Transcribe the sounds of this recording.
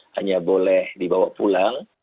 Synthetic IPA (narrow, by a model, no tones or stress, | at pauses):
ha̰ɲabolɛhdibawaʔpulaŋ